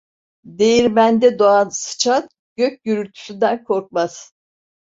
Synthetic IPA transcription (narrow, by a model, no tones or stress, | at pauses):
d̪ejiɾmænd̪ɛd̪oansɯ̥t͡ʃʰan | ɟ̥øc̚ʲɟyɾylt̪ʰy̥synd̪ænkʰo̞ɾk̚maz̥